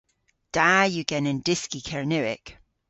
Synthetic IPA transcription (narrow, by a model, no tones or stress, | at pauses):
d̥ajəɡ̥ɛnɛ̃ndɪskikʰɛɹnʉɪ̰k